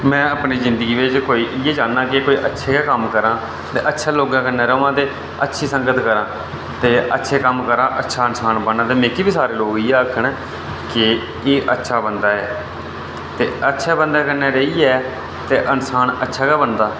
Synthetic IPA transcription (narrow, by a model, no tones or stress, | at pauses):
mɛ̃ːəpniːzɪnd̪əɡiːʋet͡ʃkoːiːʔɪjeːd͡ʒaːnːãːkɪkoːiːʔətːʃʰeːkɛːkəmkəɾãː | t̪eːʔətːʃʰaːloːɡãːkəɾneːɾəʋãːt̪eː | ə̰tːʃʰiːsəŋɡət̪kəɾãː | t̪eːətːʃʰeːkəmkəɾãːʔətːʃʰaːənsaːnbənãːt̪eːmẽːkiːbiːsaːɾeːloːɡɪːaːəkʰəɳ | kɪ | eːʔətːʃʰaːbənd̪aːɛː | t̪eːətːʃʰaːbənd̪aːkəɾneːɾeiːɛː | t̪eːʔənsaːnətːʃʰaːkaːbənd̪aː